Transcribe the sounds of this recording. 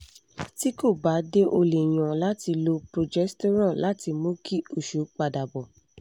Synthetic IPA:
ti˦ko˦˨ba˨˦de˦ʔo˧le˨j̃ã˨la˦ti˧lo˧pɾo˨d͡ʒɛ˦sto˦ɾ̃ã˦˨lʔa˨˦ti˧mõ˦ki˦˨o˨ʃu˨˦k͡pa˧da˨bɔ˨

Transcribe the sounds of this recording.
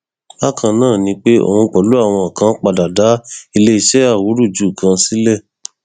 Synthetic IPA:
a˦kʰã˧nãː˦˨nĩ˧˦k͡pe˦o̰˦˨hũ˧k͡pɔ˨lu˦a˦˨w̃ɔ̃˧a˨kã˧˦k͡pa˧da˨da˨˦i˧le˦i˧ʃɛ˦a˦˨wu˨˦ɾu˦˨d͡ʒu˦˨kʰã˧si˦lɛ˦˨

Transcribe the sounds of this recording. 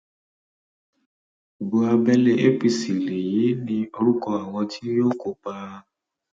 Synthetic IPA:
o˨bo˧a˧bɛ˦le˦ʔe˦pi˧˨si˨le˨ji˨˦nĩ˧o˧ɾu˦kɔ˧a˨w̃ɔ̃˧tʰi˦jo˦ko˨k͡pa˧

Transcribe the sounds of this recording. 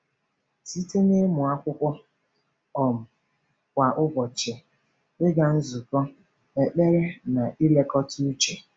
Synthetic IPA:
si˦te˦ne˦mʊ˨a˦kʷʊ˦kʷʊ˦ | ɔ˨m̩˨ | kʷa˨ʔʊ˦bɔ˨t͡ʃe˨ | ɪ˦ɡa˨n̩˦zu˨kɔ˦ | e˨k͡pe˦ɾe˦na˨ʔi˦le˦kɔ˦tʰu˦u˦t͡ʃe˨

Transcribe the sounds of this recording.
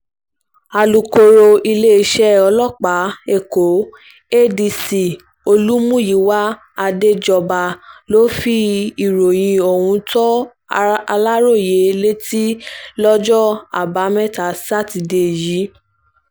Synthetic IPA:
a˧lu˨ko˧ɾo˧i˧le˦˧˦ʃɛ˦ɔ˧lɔ˦˨k͡pa˨˦e˦˨ko˨˦ | e˦˨di˧si˨ | o˧lu˦mũ˦˨ji˨˦wa˦ | a˧de˦d͡ʒɔ˧ba˧lo˦fi˦i˨ɾo˨j̃ĩ˧o˨hũ˧tɔ˦ | a˧la˦ɾo˦˨je˨˦le˦ti˦lɔ˦d͡ʒɔ˦a̰˨ba˨˦mɛ̃˦˨ta˨˦sa˦˨ti˧˨de˨ji˨˦

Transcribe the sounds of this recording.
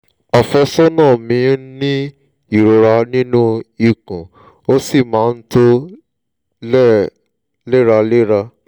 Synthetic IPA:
a˨fɛ˧sɔ˦nãː˦˨mĩ˨˧˦nĩ˦ | i˦˨ɾo˧ɾa˧nĩ˦nũ˦i˧˨kũ˨ | o˦si˦˨mãː˨˦˧n̩˦to˦ | lɛ˦˨ | le˦ɾa˧le˦ɾa˧

